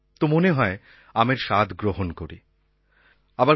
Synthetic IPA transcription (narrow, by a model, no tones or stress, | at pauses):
t̪omoneɦɔe | ameɾʃad̪ʱɡɾoɦonkoɾi | aba